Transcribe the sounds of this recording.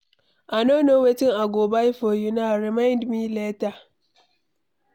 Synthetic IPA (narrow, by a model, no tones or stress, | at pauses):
ʔanonowetɪŋaɡoːbaifojunaɾimãɪndmileta